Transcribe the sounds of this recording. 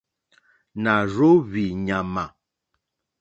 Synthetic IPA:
na˨ɾo˦βi˨ɲa˨ma˨

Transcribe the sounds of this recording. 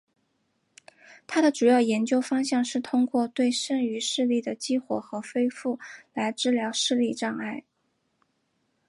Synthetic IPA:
t̪ʰa˥d̪ə˨ʈ͡ʂu˨˩jɑ˥˩ʊjɛ˧˥nt͡ɕjo˥ʊfɑ˥ŋɕjɑ˥˧ŋʂɻ̩˥˩t̪ʰʊ˥ŋkwɔ˥˧t̪we˥˧ɪʂə˥˩ŋy˧˥ʂɻ̩˥˧li˥˩d̪ə˩t͡ɕi˥xwɔ̰˨˩xɤ˧˥fe˥ɪfu˥˩la˧˥ɪʈ͡ʂɻ̩˥ljɑ˧˥ʊʂɻ̩˥˧li˥˧ʈ͡ʂɑ˥˧ŋa˥˩ɪ

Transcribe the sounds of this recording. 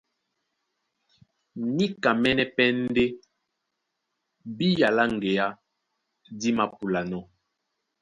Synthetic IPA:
ni˦ka˨mɛ˦nɛ˦pɛ˦n˦de˦ | bi˦ja˨la˦ŋ̩˨ɡe˨ja˦ | di˦ma˨pu˨la˨nɔ˦˨

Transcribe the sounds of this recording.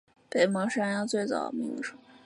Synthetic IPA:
pe˨˩ɪmɑ˧˥ŋʂa˥njɑ˥˧t͡swe˥˩ɪt͡sɑ̰˨˩ʊmi˧˥ŋʈ͡ʂu˥˩˦

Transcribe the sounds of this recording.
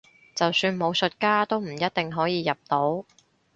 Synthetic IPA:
t͡sɐ˨wsyː˧nmo˨˧wsɵ˨t̚kaː˥t̪o˥wm̩˨˩jɐ˥t̪̚t̪ɪ˨ŋɦɔː˨˥jiː˨˧jɐ˨p̚t̪o˨˥w

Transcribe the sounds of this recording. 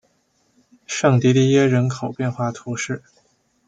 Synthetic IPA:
ʂɤ˥˩ŋt̪i˧˥li˥˧jɛ˥ɻə˧˥nkʰo˨˩ʊpjɛ˥˧nxwa˥˩t̪ʰu˧˥ʂɻ̩˥˩

